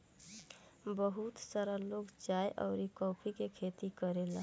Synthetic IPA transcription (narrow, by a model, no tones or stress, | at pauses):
bəɦut̪səɾəlokd͡ʒajʔə̰ʊɾikɔʊpʰikekʰet̪ikəɾel